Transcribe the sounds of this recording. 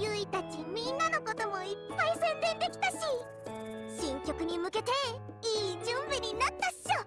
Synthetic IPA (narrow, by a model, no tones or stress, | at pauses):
jɯ̟it̪at͡ɕimʲĩnːano̞ko̞t̪o̞mo̞ipːaisẽ̞nd̪ẽ̞nd̪e̞kʲi̥t̪aɕi | ɕĩŋkʲo̞kɯ̟ɲ̟imɯ̟ke̞t̪e̞ | iːd͡ʑɨ̃mbɯɲ̟inat̪ːḁo